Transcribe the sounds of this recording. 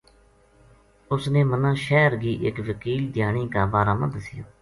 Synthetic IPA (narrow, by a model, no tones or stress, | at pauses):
ʊsnẽːmənãːʃɛːɾɡiːʔɪkʋəkiːld̪ʱɪjaːɳ̃iːkaːbaːɾaːmə̰̃nd̪əsɪjo̰ː